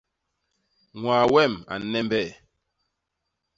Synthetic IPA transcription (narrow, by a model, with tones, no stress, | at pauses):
ŋwaː˨wɛ˦˨ma̰˨nɛ˦mbɛ˦˨